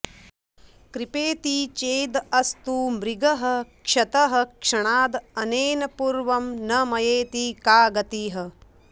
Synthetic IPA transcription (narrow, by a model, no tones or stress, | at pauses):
kɾipeːt̪it͡ʃeːd̪ɐst̪umɾiɡɐɦɐ̆kʂɐt̪ɐɦɐ̆kʂɐɳaːd̪ɐneːnɐpuɾʋɐmnɐmɐjeːt̪ikaːɡɐt̪iːɦɐ̆